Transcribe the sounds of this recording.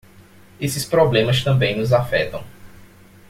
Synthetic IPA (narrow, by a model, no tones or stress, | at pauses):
esɪspɾɔblẽmɐst̪ɐ̃mbẽj̃nʊzafɛ̰t̪ɐ̃w̃